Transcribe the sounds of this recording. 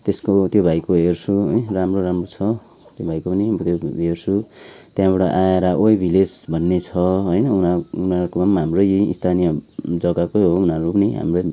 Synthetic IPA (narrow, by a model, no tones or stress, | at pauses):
t̪eskot̪jobʱajkoɦersʰuɦjramroɾamrot͡sʰʌ | t̪jobʱajkopʌniɦmot̪joersʰut̪jãbʌɽaʔajaɾaʔojbʱilesbʱʌnːet͡sʰʌɦojnʌunaunaɾkomamːaɦamrʌjḭst̪ʰanijʌd͡zʌɡakojɦoːnaɾupʌniɦa̰mrʌj